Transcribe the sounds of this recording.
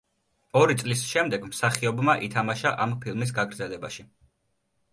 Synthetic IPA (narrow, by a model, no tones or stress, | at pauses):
ɔɾit̪sʼlisʃɛmd̪ɛɡmsaχiɔbmaʔit̪ʰamaʃaʔampʰilˠmis̬ɡaɡɾd̪zɛlɛba̰ʃi